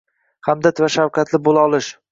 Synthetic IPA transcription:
hamd̪at̪vaʃawkʰʲat̪lɪbolˠaɒlˠɪʃ

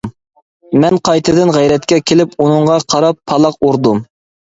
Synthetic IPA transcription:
mɛnqʰɑjt̪ʰɨd̪ɪnʁæjɾɛt̪̚kʲɛkʲʰelɪpunɨɴʁɑqʰɑɾɑpʰːɑlˠɑquɾd̪um

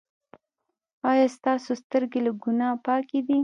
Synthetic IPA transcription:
ɑjɑst̪ɑsost̪əɾɡelaɡunɑpɑked̪i

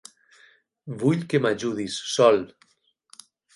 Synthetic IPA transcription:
βuʎkemaʒuðisːɔl

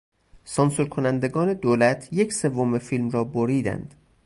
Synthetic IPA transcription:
sɒnsuɾkʰonænd̪eɡɒːne̞d̪oːlæt̪ʰje̞cʰse̞vːomefilmrɒːboɾiːd̪æ̰nd̪̥

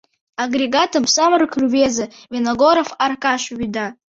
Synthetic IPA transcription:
aɡreɡatʰɨmsamrkʰruveza | venoɡoɾofarkʼaʃɥida

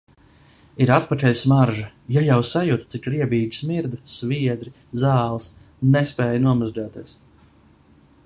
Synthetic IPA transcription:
iɾat̪pat̪ʲɛjsmaɾʒa | jajawsajut̪t̪sikɾiɛbiːɡ̪i̥smiɾd̪usviɛd̪ɾi | zaːlˠs | nɛspɛːjnuɔmazd͡ʒaːt̪iɛs

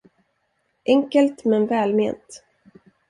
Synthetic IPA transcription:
ʔɛŋkəlt̪mɛnvɛːlmḛːnt̪

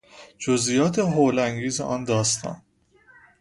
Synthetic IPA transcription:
d͡ʒozʔijɒːt̪ʰeɦoːlæŋɡiːzḛʔɒːnd̪ɒːst̪ʰɒ̰ːn

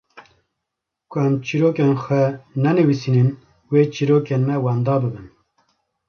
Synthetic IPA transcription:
kʰʊɛmt͡ʃiɾoːkeːnxʷɛnɛnɨwisinɨn | weːt͡ʃiɾoːkeːnmɛwɑːnd̪ɑːbɨbɨn

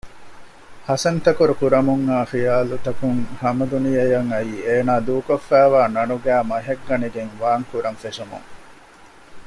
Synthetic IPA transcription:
hɐsɐnt̪ɐkuɾukuɾɐmuŋːaːxijaːlut̪ɐkuŋhɐmɐd̪unijɐjɐŋɐiːeːnaːd̪uːkofːæːʋaːnɐnuɡæːmɐɦɐɡːɐniɡeŋʋaːŋkuɾɐnfeʃumṵŋ

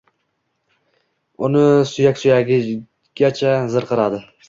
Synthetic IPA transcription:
ʊnɪsʊjakʲsʊjaɡʲɪ | ɡ̥ʲat͡ʃʰazɨɾqʰɨɾad̪ɪ

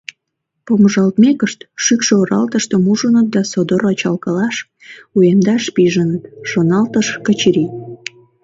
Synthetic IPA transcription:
poməʒɑlt̪mekəʃt̪ʃykʃeoɾɑ̰lt̪əʃt̪əmuʒənət̪̚d̪ɑsod̪oɾɑt͡ɕɑlkɑlɑʃ | ujend̪ɑʃpiʒənət̪ʃonɑlt̪əʃkət͡ɕɾi

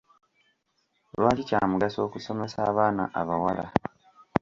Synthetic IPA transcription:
ɾwaːcicaːmuɡaso̞ːkuso̞me̞saːβaːna̰ʔaβawala̰

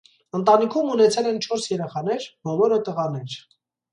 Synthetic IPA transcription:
ənt̪ɑnikʰumunɛt͡sʰɛlɛnt͡ʃʰɔɾsjɛɾɛχɑnɛɾbɔlɔɾət̪əʁɑnɛɾ

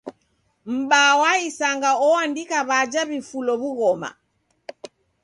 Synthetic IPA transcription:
m̩ɓawaisaŋɡaɔandikaβad͡ʒaβifulɔβuɣɔma̰

